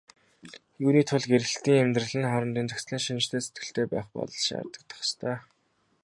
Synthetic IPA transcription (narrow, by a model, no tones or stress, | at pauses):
juːniːt̪ʰʊɮɡeɾɘ̆ɬt̪iːŋemt̪rə̆ɮɘ̆nχaɾə̆nt̪iːnt͡sɵksɮiːŋʃin̆t͡ɕt̪ʰeːse̥t̪ɡɘ̆ɬt̪ʰeːpæ̰ːχpɔ̰ɮɞ̆ɮʃa̰rt̪ə̆k̚t̪ʰɔ̥χst̪ʰœː